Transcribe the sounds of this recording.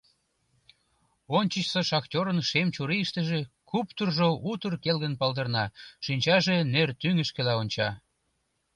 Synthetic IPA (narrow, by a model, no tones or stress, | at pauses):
onʲt͡ɕət͡ɕsəʃɑktʲoɾənʃemt͡ɕuɾiəʃt̪ə̆ʒekupt̪urʒout̪ərkelɣənpɑld̪ərnɑʃinʲt͡ɕɑʒenert̪yŋəʃkĕlɑonʲt͡ɕɑ